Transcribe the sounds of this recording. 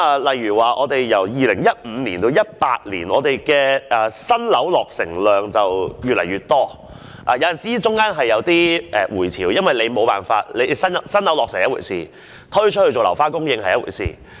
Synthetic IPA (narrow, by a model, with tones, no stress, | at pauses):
aː˨˧lɐ˨jːyː˨˩waː˨ʔɔː˨˧t̪e˨jjɐ˨˩wjiː˨˧lɪ˨˩ŋjɐ˥t̚m̩ː˨˧˦niː˨˩nt̪o˧wjɐ˥t̚pa̰ː˧t̚lḭː˨˩nɔ̰ː˨˧t̪e˨jkɛː˧ʔɐː˨˩sɐ˥nlɐ˨˥wlɔː˨k̚sɪ˨˩ŋlœː˨ŋt͡sɐ˨wjyː˨lɐ˨˩jɥyː˨˩t̚t̪ɔː˥ | ʔaː˨˩jɐ˨˧wjɐ˨˩nsiː˨˥t͡sʊ˥ŋkaː˥nɦɐ˨jːɐ˨˧wt̪iː˥ʔɛ˨˧wuː˨˩jt͡sʰiː˨˩wjɐ˥nwɐ˨jle˨˧jmo˨˧wpaː˨nfa̰ː˧t̚le˨˧˨sɐ˥nsɐ˥nlɐ˨˥wlɔː˨k̚sɪ˨˩ŋjɐ˥twṵː˨˩jsḭː˨˩ | t̪ʰɵ˥t͡ʃʰt̚hɵ˧t͡so˨wlɐ˨˩wfaː˥kʊ˥ŋjɪ˧ŋhɐ˨jɐ˥wṵ˨˩jsḭː˨˩